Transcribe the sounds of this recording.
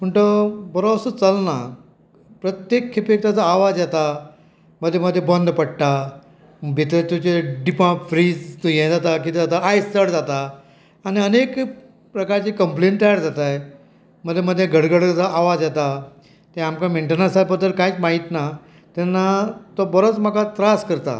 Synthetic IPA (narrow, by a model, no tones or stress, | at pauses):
məɳʈ̪əbəɾobsət͡səlna | pɾət̪jekʰːepek̚t̪jat͡saːʋad͡zjɛt̪a | məd̪ʱːjeməd̪ʱːjebɔnd̪ʱpəɽʈ̪a | bʱit̪ɾet̪jũt͡ɕeɖipãfɾiːd͡zt̪ojɛ̃d͡zat̪ak̬it̪ed͡zat̪aajstəɽd͡zat̪a | añiənek | pɾəkaɾt͡ɕikəmpleɳʈʈ̪ajaɾd͡zat̪aj | m̤əd̪ʱjeməd̪ʱjeɡʱəɽɡəɽt͡saʔaʋad͡zjɛt̪a | t̪eamkameɳʈənasalbəd̪ʱːəɾkait͡smaɦit̪na | t̪ɛnːat̪ɔbəɾot͡sm̤akat̪ɾaskəɾt̪a̰